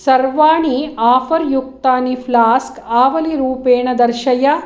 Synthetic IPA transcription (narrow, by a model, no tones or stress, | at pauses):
sɐɾʋaːɳiaːpɐɾjuk̚t̪aːnipʰlaːskaːʋɐliɾuːpeːɳɐd̪ɐɾʃɐjɐ